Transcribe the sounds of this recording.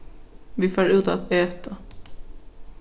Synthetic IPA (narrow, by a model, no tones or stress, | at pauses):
vɪfœːɾʉ̟ːt̪at̪ɛːt̪ʰa